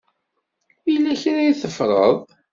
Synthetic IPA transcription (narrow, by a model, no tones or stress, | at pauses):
ilːæçɾæjθəfɾˤə̰ðˤ